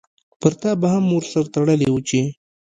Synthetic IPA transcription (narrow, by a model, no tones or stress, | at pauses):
pəɾt̪abahamːoɾsaɾt̪aɽəlewut͡ʃe